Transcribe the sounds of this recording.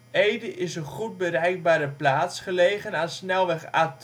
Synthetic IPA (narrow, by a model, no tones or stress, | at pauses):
ejdəʔɪsənχud̚bərɛjk̚baːɾəplaːtsχəlejχənaːnsnɛlˠʋɛχaːt